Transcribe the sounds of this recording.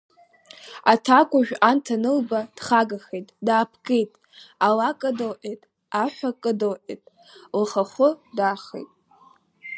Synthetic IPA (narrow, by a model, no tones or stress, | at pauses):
atʰakʷʼʊʒᶣantʰanɨlbad̥χaɡaχejtʼdaːpʰkejtʼ | alakʼɨdolʔejtʼ | aħʷᶣakʼɨdowʔḛjtʼ | lχaχʷʊdaːχḛjtʼ